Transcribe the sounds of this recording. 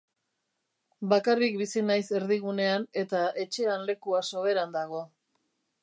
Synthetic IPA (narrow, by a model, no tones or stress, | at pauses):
bakarik̚bisinajse̞ɾðiɣ̞une̞ane̞t̪ae̞t͡ʃe̞anle̞kuaso̞βe̞ɾand̪aɣo̞